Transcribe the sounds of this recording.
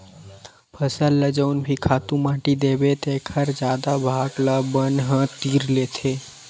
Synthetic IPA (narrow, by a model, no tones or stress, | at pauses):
pʰəsəlːəd͡ʒəunbʱikʰat̪ũmãʈid̪ebet̪ekʰəɾd͡ʒjad̪abʱaɡlabənɦə̃t̪iɾlet̪ʰe